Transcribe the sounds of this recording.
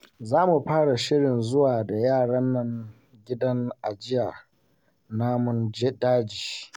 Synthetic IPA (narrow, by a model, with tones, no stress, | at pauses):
zaː˦mu˨ɸaː˦ɽa˨ʃɪ˦ɽɪ˨nzʊ˦waː˨da˨jaː˦˨ɽɐ˦nːɐ˦ŋ | ɡʲɪ˦dɐ˦ŋʔa˨d͡ʒɪ˦jaː˨ | naː˦mʊ˦nd͡ʒɛ˦daː˦d͡ʒiː˨